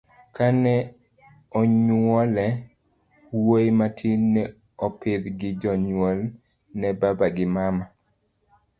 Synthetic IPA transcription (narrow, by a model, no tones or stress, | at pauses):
kanɛ | ɔɲɔlɛ | wojmatʰinːɛ | ɔpɪd̪ɡɪd͡ʒɔɲwɔl | nɛbabaɡɪmama